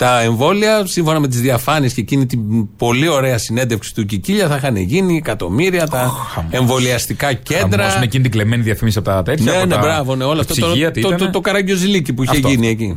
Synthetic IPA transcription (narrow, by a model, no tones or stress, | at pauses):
t̪ɐe̞ɱvo̞liɐsiɱfo̞nɐme̞t̪̬izðiɐfɐniesce̞cinit̪ib̥o̞lio̞ɾe̞ɐsine̞nd̪efksi̥t̪uciciʎɐθɐxɐnḛʝiniekɐt̪o̞̰miɾiɐt̪ɐe̞ɱvo̞liɐst̪ikɐce̞nd̪ɾɐsunecinit̪iɡlemeniðiɐfimisiɐpot̪ɐt̪et̪nenebɾɐvo̞ne̞o̞lɐft̪osoɐt̪oot̪okɐɾɐɲɟo̞zilicipuieʝinieci